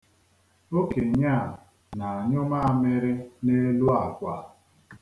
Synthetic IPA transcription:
o˦ke˨ɲa˦˨ | na˨a˨ɲʊ˦ma˦a˦˨me˦ɾɪ˦ne˦lu˦a˨kʷa˨˦

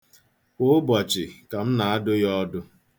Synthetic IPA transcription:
ʊ˦bɔ˨t͡ʃɪ˨ka˨m̩˦na˨a˦dʊ˦jɔ˦dʊ˦

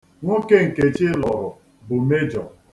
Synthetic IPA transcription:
ŋʷo˦ke˦ŋ̩˨ke˨t͡ʃɪ˦lɔ˨ɾʊ˨ | bʊ˨me˦d͡ʒɔ˨

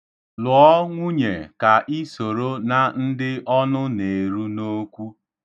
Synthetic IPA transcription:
lʊ˨ɔ˦ŋʷu˦ɲe˨ka˨ʔi˦so˨ɾo˦na˨n̩˦dɪ˦ʔɔ˦nʊ˦ne˨ɾu˦no˦kʷu˦

